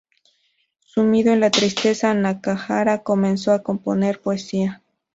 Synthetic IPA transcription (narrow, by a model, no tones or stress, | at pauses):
sumiðoenlat̪ɾist̪e̞sanakaxaɾako̞mẽnsoako̞mpone̞ɾpoesia